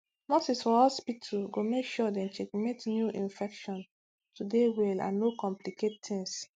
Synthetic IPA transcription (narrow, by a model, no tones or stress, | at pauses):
mɔsisfɔɔspitʰuɡomekʃɔdɛ̃nt͡ʃekmetnjuʔĩnfɛkʃɔ̃n | tʰudewɛlã̰nːokɔ̃mpliket̚tʰĩŋs